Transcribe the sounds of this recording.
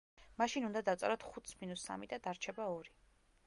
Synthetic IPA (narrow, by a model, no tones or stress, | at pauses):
maʃinund̪ad̪at̪sʼɛɾɔt̪ʰχut̪sminusːa̰mid̪ad̪aɾt͡ʃʰɛbaɔɾi